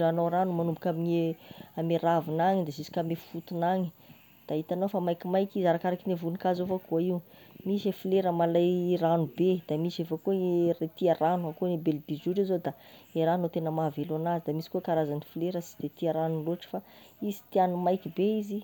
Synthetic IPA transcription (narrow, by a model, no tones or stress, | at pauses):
anowɾanumanumbukʲamiɲeameɾavinaŋid̪azisi̥kamefut̪unaŋi̥ | d̪̥aɦit̪anowfamajkimajkizaɾakaɾakinevunikazofakuaiwmiʃefileɾəmalajranubed̪̥amisefakuɾet̪iaranuakunibelb̪izuɾizod̪aeɾanot̪enəmavelanazid̪amisi̥kukaɾazanifleɾəsi̥d̪̥et̪iaɾanuloʈ͡ʂə̥faizi̥t̪ianumajkibeizi